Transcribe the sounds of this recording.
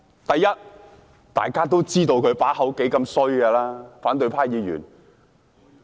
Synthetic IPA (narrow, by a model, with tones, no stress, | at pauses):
t̪ɐ˨jːɐ˥t̚ | t̪a̰ː˨˩jkaː˥t̪o˥wt͡siː˥t̪o˧wkʰɵ˨˧paː˨˥ɦɐ˨˥wke˨˥jkɐ˧msɵ˥ɥɛ˧laː˥faː˨˥nt̪̬ɵ˧ɥpʰaː˥jiː˨˧ɥy̰ː˨˩n